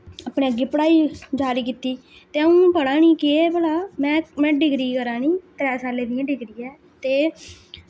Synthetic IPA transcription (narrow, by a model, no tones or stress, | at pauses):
əpɳeːəɡɪːpəɽaːiːd͡ʒaːɾiːkiːt̪iː | t̪eːəũːpəɽãːniːkeɛːpəɽaːmɛ̃ːmɛ̃ːɖɪɡɾiːkəɾãːniːt̪ɾɛːsaːleːd̪ɪjãːɖɪɡɾiːɛː | t̪eː